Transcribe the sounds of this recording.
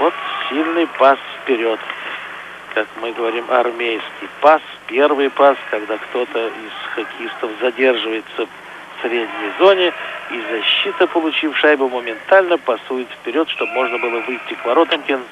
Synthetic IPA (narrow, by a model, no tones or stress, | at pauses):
vo̞t̪sʲilʲnɨjpasfpʲɪɾʲo̞t̪ | kakmɨɡəvɐɾʲimʔɐ̰rmʲejskʲɪjpaspʲe̞rvɨjpaskɐɡd̪akt̪o̞t̪əɪzxɐkʲɪist̪əfzɐdʲe̞rʐɨvəjɪt̪səf | sɾʲedʲnʲɪjzo̞nʲɪizɐɕːit̪əpəlˠʊt͡ɕifʂajbəməmʲɪnt̪alʲnəpɐsujɪt̪fʲpʲɪɾʲo̞t̪ʂt̪o̞bmo̞ʐnəbɨlˠəvɨjtʲːɪkvɐɾo̞t̪əmkʲɪn